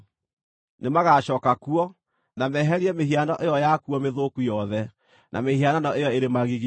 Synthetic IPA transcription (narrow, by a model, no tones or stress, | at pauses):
nemaɣaɕɔːkakuɔ | namɛɦɛɾiɛmeɦianɔʔejɔjakuɔmeðokujɔðɛ | nʔa̰mehiananɔejɔeɾemaɣiɣ